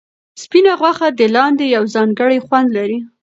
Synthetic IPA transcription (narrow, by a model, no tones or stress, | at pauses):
spinaɣwaxad̪əlɑnd̪ejawzɑŋɡəɽajxwand̪laɾi